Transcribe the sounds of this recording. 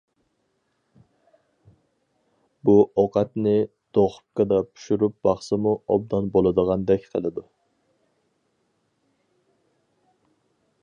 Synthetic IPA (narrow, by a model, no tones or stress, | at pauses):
buoqɑt̪nɪ | d̪̥oχʊ̥p̚kɑd̪ɑpʰu̥ʃuɾup̚bɑχsɨmuɔ̰b̚d̪ɑnbolˠɨd̪əʁɑnd̪ɛkʲqʰəlˠɨd̪u